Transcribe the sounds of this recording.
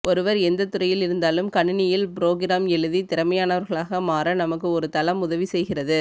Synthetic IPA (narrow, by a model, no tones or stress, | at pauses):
ʔɔɾɯʋɐɾɛnd̪ɐt̪ːʊɾɐjɪlɪɾɯnd̪aːlɯmkɐɳːɪnɪjɪlpɪɾoːɣɪɾaːmɛɻɯðit̪ɪɾɐmɐjaːnɐʋɐɾɣɐɭaːɣɐmaːɾɐnɐmɐkːɯɔɾɯt̪ɐlɐmʊðɐʋisɛjɣɪrɐðɯ